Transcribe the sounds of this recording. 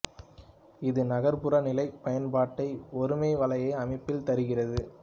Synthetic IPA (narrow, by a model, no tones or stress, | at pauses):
ɪðɯnɐɣɐɾpɯrɐnɪlɐɪpɐjɐnpaːʈːɐɪɔɾɯmeːʋɐlɐjɐːɐmɪpːɪlt̪ɐɾɯɣɪrɐðɯ